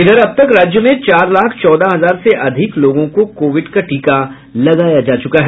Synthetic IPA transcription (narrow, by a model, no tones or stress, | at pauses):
ɪd̪ʱəɾɐb̚t̪ɐkɾaːd͡ʒjəmẽt͡ʃaːɾlaːkʰt͡ʃɔːd̪aɦɐzaːɾseʔɐd̪ʱɪkloːɡõkokoːʋɪɖkaʈiːka | lɐɡaːjad͡ʒaːt͡ʃʊkaɦɛː